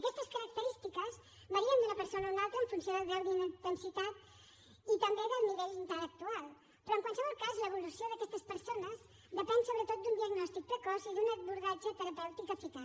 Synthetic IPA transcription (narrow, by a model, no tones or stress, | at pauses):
ɐkɛst̪əskəɾək̚t̪əɾist̪ikəz | βəɾiənd̪unəpəɾsonəunalˠt̪ɾəːɱfunsioðəðewðind̪ənsit̪at̪ | it̪əmbeðəlˠniβɛʎint̪ələk̚t̪ualˠ | pɾɔəŋkwalˠsəβɔlˠkazləβ̞ulusioðəkɛst̪əspəɾsonəz | d̪əpɛnsoβɾət̪ot̪̚d̪und̪iəɡnɔst̪ik̚p̪əkɔziðunəβuɾðad͡ʒət̪əɾəpɛwt̪ikəfik̪a